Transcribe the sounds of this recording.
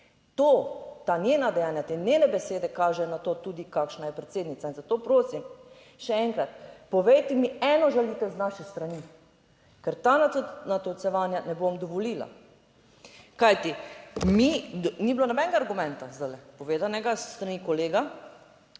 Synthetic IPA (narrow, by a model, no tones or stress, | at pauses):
t̪ot̪anʲjenad̪ɛjaːnjat̪eneːnɛbɛseːd̪ɛkaːʒɛnat̪oːt̪uːd̪ikakʃnajɛpɾɛt̪seːd̪nit̪ainzat̪oːpɾoːsim | ʃɛɛŋkɾat̪pɔʋejt̪ɛmiɛːnɔʒɛlit̪ɛznaʃɛst̪ɾani | kɛɾt̪ananat̪ɔtsɛʋaːnjanɛbomd̪ɔʋɔliːla̰ | kajt̪iminiblonɔbɛnɛɡaːɾɡumɛ̃nt̪azd̪alɛpɔʋeːd̪anɛɡasːt̪ɾanikɔleːɡa